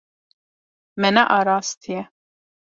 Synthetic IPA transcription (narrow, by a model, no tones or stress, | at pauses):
mɛnaʔɑɾɑːst̪ʰijɛ